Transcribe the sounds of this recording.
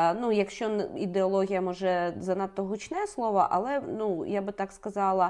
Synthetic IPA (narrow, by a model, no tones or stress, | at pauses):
nujɐkʃt͡ʃɔnid̪eɔlˠɔɦʲijɐmɔʒɛzɐnat̪ːɔɦut͡ʃnɛslˠɔʋɐ̰ʔɐ̰lˠɛnujabɨt̪akskɐzɑlˠɐ